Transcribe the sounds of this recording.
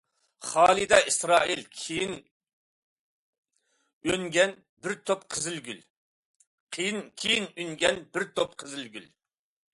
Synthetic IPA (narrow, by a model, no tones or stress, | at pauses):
χɑːlˠɨd̪ɛʔisɾɑːilʲʰijin | øŋɡʲɛn | bɪɾt̪ʰopqʰəzɪlɡʲyl | qʰijinkʲʰijinyŋɡʲɛnbɪɾt̪ʰop̚qʰəzɪlɡʲyl